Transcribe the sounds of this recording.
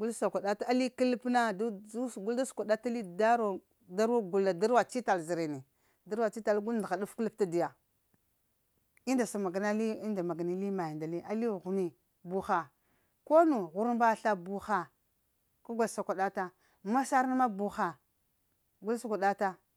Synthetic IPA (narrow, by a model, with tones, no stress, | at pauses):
ɡu˦lsa˨kʷa˨da˦ta˦a˦li˦ki˦lpna˦du˦sɡu˦lda˦su̥˨kʷa˨da˦ta˦li˦da˦ɾo˨ | da˦ɾa˦ɡu˨lːa˨da˦ɾwa˨t͡ʃi˦ta˨lzi˨ɾe˨ni˨ | da˦ɾwa˨t͡ʃi˦ta˨lɡu˦lnda˨a˨du˦fku˦lp̚ta˦di˨ja˨ | i˦nda˨sa˨ma˨ɡa˨na˦li˦i˦nda˨ma˨ɡa˨ni˦li˦ma˨ji˨nda˨li˦ʔa˦li˦˨ɣu˨ni˦ | bu˨xa˨ | ko˦nu˨ɣu˦ɾba˦˨ɬa˦bu˦xa˨ | ka˦ɡʷa˨lsa˨kʷa˨da˦ta˦ | ma˦sa˦ɾna˦ma˦bu˨xa˨ | ɡu˦lsu˨kʷa˨ɗa˦ta˦